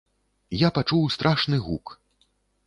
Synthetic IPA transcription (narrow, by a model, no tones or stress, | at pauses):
japat͡ʂuwst̪ɾʔaʂnɨɣuk